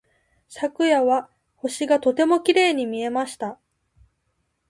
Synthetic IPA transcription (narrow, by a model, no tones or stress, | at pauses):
sakɯ̟jaβa | ho̞ɕiɡat̪o̞t̪e̞mo̞kʲiɾe̞ːɲ̟imʲie̞maɕi̥t̪a